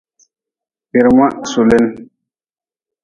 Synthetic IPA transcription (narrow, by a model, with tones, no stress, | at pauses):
pi˨ɾŋa˦ʔsu˨le˦n